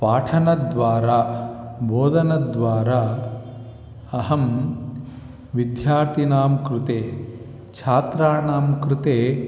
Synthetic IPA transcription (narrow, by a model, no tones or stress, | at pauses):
paːʈʰɐnɐd̪ʋaːɾaːbʱoːd̪ʱɐnɐd̪ʋaːɾaː | ɐɦɐm | ʋid̪jaːɾt̪inaːmkɾɪt̪eː | t͡ʃʰaːt̪ɾaːnaːmkɾɪt̪eː